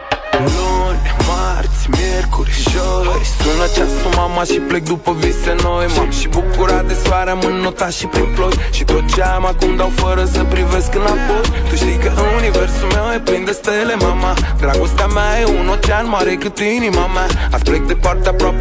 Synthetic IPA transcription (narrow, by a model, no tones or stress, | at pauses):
lonʲmart̪sʲmjerkoɾiʒojt̪unat͡ʃast̪omamaʃiplek̚d̪upəvisenojmamʃibukuɾad̪esaɾamɨnːot̪aʃipɾiplojʃit̪ot̪̚t͡ʃamakund̪awfəɾəsəpɾiveskɨnapojt̪uʃt̪ijkəʔɨnuniveɾsumeweplind̪est̪elemamad̪ɾaɡost̪eamajeunot͡ʃanmaɾekɨt̪uinimamaaplek̚d̪epart̪eapɾap